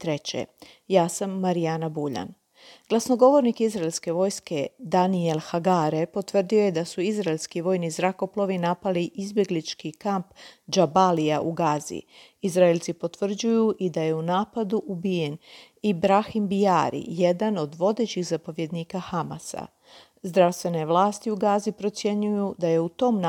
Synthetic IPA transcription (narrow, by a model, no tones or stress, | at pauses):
t̪ɾe̞t͡ɕḛ | jaːsamːaɾianabuʎa̰n | ɡ̥lˠasno̞ɡo̞ʋo̞ɾnikizɾaelʲske̞ʋo̞ːjske̞d̪anielˠxaɡaːɾe̞po̞t̪ʋr̩d̪io̞je̞d̪asuizɾaelʲskiʋo̞ːjnizɾako̞plˠo̞ʋinapaliʔizbje̞ɡlit͡ʃkikampd͡ʒabaliaʔuɡaːzḭ | izɾaelt̪sipo̞t̪ʋr̩d͡ʑujuʔid̪aje̞unaːpad̪uʔubije̞n | ibɾaximbijaːɾḭje̞d̪ano̞d̪ʋo̞d̪e̞t͡ɕixzapo̞ʋje̞d̪niːkaxama̰sa̰ | zd̪ɾaʋst̪ʋe̞ne̞ʋlˠaːst̪iuɡaːzipɾo̞t̪sje̞ɲujud̪aje̞ut̪o̞mn